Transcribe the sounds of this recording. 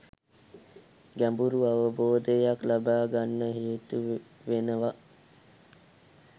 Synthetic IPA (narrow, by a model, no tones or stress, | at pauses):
ɡæmbuɾuaʋəboːd̪əjaklabaːɡanːəɦeːt̪uʋenəʋa